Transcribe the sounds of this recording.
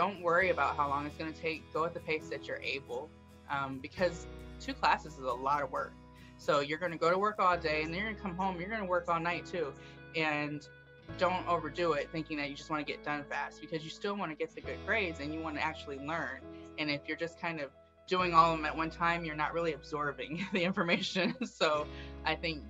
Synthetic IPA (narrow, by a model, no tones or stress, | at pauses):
d̥õʊ̃nʔwɜ˞iɨbaʊt̚ɦaʊlɔ̃ŋɨtsɡ̥ʌnɨtʰeɪk̚ɡ̥oʊət̪̚ðɨpʰeɪsðɨt͡ʃə˞ʔeɪbl̩ˠ | ʔʌ̃mbɨkʰʌz̥tʰʉkʰl̥æsɨzəzəlɔɾʌwɜ˞k̚ | soʊjə˞ɡʌnɨɡoʊɾəwɜ˞kɔlˠdeɪɨ̃nðɨ̃njə˞ɡʌnɨkʰʌ̃mɦõʊ̃mjə˞ɡʌ̃ñəwɜ˞kɔlˠnaɪtʰʉ | ɨ̃n | d̥õʊ̃ntoʊvə˞dʉɪt̪̚θɪ̃ŋkɪ̃ŋðɨt͡ʃɨd͡ʒʌst̚wɑ̃nɨɡɛ̰t̚d̥ʌ̃nfæst̚b̥ɨkʰʌzjɨstɪlˠwɑ̃ñɨɡɛt̪̚ðɨɡʊd̚kʰɹ̥eɪdzɨ̃njɨwɑ̃nɨ̰ʔæk̚t͡ʃul̩ˠilɜ̃˞nɨ̃nɪfjə˞d͡ʒʌskʰãɪ̃ndʌv | d̥ʉɪ̃ŋɔlˠʌvə̃mɨt̚wʌ̃ntʰãɪ̃mjə˞nə̰ʔ̚ɹɪlˠiɨbzɔɹbɪ̃ŋðiɪ̃ɱfə˞meɪʃɨ̃nsoʊʔaɪθɪ̃ŋk̚